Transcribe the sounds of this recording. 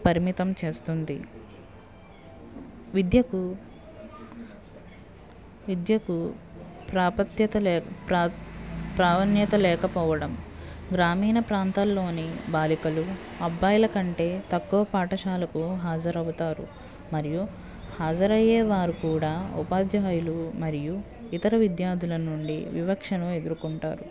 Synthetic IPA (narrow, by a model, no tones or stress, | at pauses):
pɐɾimit̪ɐmt͡ʃe̞ːst̪und̪i | ʋid̪jɐku | ʋid̪jɐku | pɾaːpɐt̪jɐt̪ɐlːpː | pɾaːʋɐnjɐt̪ɐlɛːkɐpɔːʋɐɽɐmɡɾaːmiːnɐpɾaːnt̪aːlːo̞ːnibaːlikɐlu | ɐbːaːjɐlɐkɐɳʈe̞ːt̪ɐkːuʋɐpaːʈɐʃaːlɐkuɦaːd͡ʒɐɾɐʋut̪aːɾṵ | mɐɾiju | haːd͡ʒɐɾɐjɛːʋaːɾukuːɽaːṵpaːd̪jaːjulumɐɾiju | it̪ɐɾɐʋid̪jaːɾd̪ʱulɐnuɳɖiʋibɐkʂɐnue̞d̪uɾukuɳʈa̰ːɾu